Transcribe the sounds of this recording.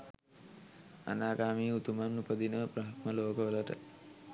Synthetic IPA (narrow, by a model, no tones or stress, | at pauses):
a̰naːɡaːmiːut̪umamnupəd̪inəpɾəɦat̪məloːkəʋələʈə̰